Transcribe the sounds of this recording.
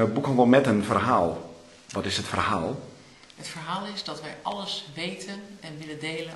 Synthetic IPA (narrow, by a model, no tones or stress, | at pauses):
əbukɔnʋɔlˠmɛtənfərɦaːlˠ | ʋɔtɪsətfərhaːlˠ | ətfərɦaːlˠɪsdɔtʋɛjʔɑləsʋejtʰənɛnʋɪlədeːlə